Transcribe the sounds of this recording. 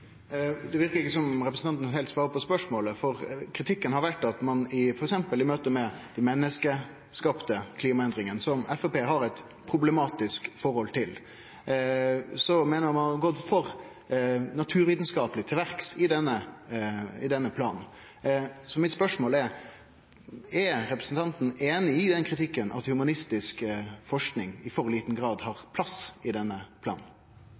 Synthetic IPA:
d̪ɛʋɪɾkəɾɪkːəsɔmɾɛpɾəsn̩ɑnt̪n̩hɛlt̪sʋɑːɾəpɔspœʂmoːləfɔɾkʰɾɪt̪ʰɪkːənhɑɾʋæʈːɑt̪mɑnɪfɔɾɛksɛmpəlɪmøːt̪əmɛd̪æɪmɛnːəskə | skɑpt̪əkʰliːmɑɛnd̪ɾɪŋənsɔmɛfɔpeːɦɑɾɛt̪ | pʰɾʊbləmɑːt̪ɪskfɔɾhɔlt̪ʰɪl | sɔmeːnəɾmɑnɑɡɔt̪ːfɔɾ | nɑt̪ʰʉːɾʋiːt̪n̩skɑːpəlɪt̪ʰɪlʋæɾksɪd̪ɛnːə | ɪ̰d̪ɛnːəpʰlɑ̰ːnn̩ | sɔmɪt̪spœʂmoːlɛɾ | ɛɾɛpɾəsn̩t̪ʰɑnt̪n̩eːnɪɪd̪ɛnkʰɾɪt̪ʰɪkːənʔɑ̰t̪hʉmɑnɪst̪ɪskfɔʂknɪŋɪfɔɾliːt̪n̩ɡɾɑːd̪hɑɾpʰlɑsɪd̪ɛnːəpʰlɑ̰ːn̩

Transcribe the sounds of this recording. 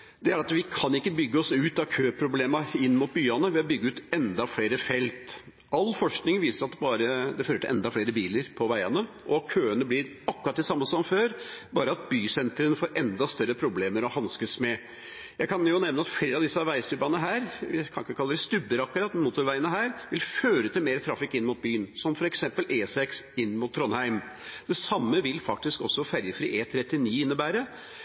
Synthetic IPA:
d̪ɛæɾɑt̪ʋɪkʰɑnɪkːəbʏɡːəɔsʉːt̪ɑkʰøːpʰɾʊbleːmɑɪnːmʊt̪̚byːɑnəʋɛɔbʏɡːəʉːt̪ɛnd̪ɑfleːɾəfɛlt̪ | ʔɑlfɔʂknɪŋʋiːsəɾɑt̪bɑːɾəd̪ɛføːɾəʈ̪ɪʔɛ̰nd̪ɑfleːɾəbiːləɾpʰɔʋæɪɑnə | ʔɔkʰøːənəblɪɾ | ɑkːʉɾɑt̪̚d̪ɛsɑmːəsɔmføːɾbɑːɾəɑt̪̚byːsɛnt̪ɾənfoːɾɛnd̪ɑst̪œɾːəpʰɾʊbleːməɾɔhɑnskəsmɛ | jæɪkɑnjʊnɛʋnəɑt̪fleːɾɑʋd̪ɪsːəɑʋæɪst̪ʉbɑnəɦæːɾʋɪkʰɑnɪkːəkʰɑlːəɾɛst̪ʉbːəɾɑkʉɾɑt̪mnmuːt̪ʊɾʋæɪənəɦæːɾʋɪlføːɾət̪ɪlmeːɾt̪ʰɾɑfɪkːɪnːmʊːt̪̚byːənsɔmfɔɾɛksɛmpəlʔeːsɛksɪnːmʊt̪ʰːɾɔnhæɪm | d̪̥ɛsɑmːəʋɪlfɑk̚t̪ɪskɔsːɔfæɾjəfɾiːʔeːt̪ʰɾɛt̪ːɪniːɪnːəbæːɾə

